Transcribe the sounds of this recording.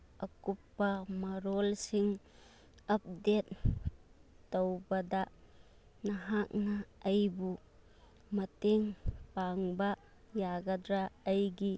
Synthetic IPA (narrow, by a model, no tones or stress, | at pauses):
ɐkupːɐmɐɾɔlsiŋ | ɐp̚det̪̚ | ɐwbɐdɐ | nɐɦak̚nɐɐjbu | mɐteŋpaŋbɐ | jaɡɐdɾaɐjɡi